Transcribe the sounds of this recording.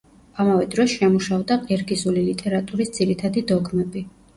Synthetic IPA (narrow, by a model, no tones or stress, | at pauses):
amavɛd̪ɾɔsʃɛmuʃavd̪aqʼiɾɡizulilit̪ʼɛɾat̪ʼuɾisd̪ziɾit̪ʰad̪id̪ɔɡmɛbi